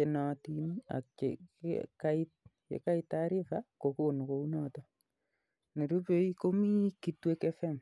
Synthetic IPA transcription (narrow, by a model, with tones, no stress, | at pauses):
e˨nɔtina̰˨kḛkai˦tkḛ˨ka˦i˦tːaɾi˦fako˨ko˦˨n˨ko˨u˦nɔ˦tɔ˦ | ne˨ɾu˦pe˦i˦ko˦mi˦ki˨twe˦kɛ˦fɛ˦˨m